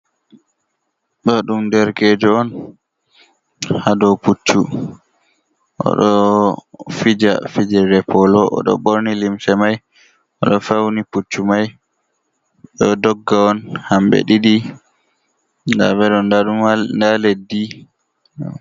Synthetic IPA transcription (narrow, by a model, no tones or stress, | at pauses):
ɗɔɗumdɛɾkeːd͡ʒɔɔn | hadɔput͡ʃːu | ʔɔ̰ɗɔ | fid͡ʒafid͡ʒɛɾɛpʰɔlɔʔɔ̰ɗɔ̰ɓoɾnilimsɛmaj | ɔɗɔfawniput͡ʃːumaj | ɗɔdɔɡːaɔnhambɛ̰ɗiɗi | da̰bɛɗɔnumndaledːi